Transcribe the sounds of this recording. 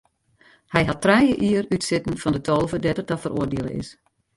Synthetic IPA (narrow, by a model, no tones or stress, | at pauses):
hɛjɦɑtːrɛjəʔiərytsɪtn̩fɔndətʰolˠvədɛtətɔfərʔo̰ərdeələ̰ɪ̰s